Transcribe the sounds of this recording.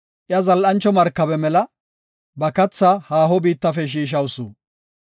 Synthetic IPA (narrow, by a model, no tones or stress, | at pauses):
ʔɪjɐzɐlʔɐnt͡ʃːɔmɐɾkːɐbɛmɛlɐ | bɐkɐt͡sːahaːɦɔbiːt̪ːɐfɛʃ̬iːʃ̬ɐwsṵ